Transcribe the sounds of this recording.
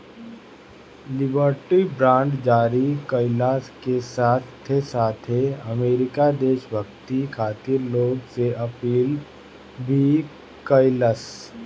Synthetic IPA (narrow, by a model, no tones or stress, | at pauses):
lɪbəɾʈibɾãːɳɖd͡ʒaːɾikəɪlaːskesaːt̪ʰː | esaːt̪ʰɦeɐmeːɾɪkad̪eːʃbʱəkt̪ikʰaːt̪iɾloːɡseʔɐpiːl | bʱi | kəɪləs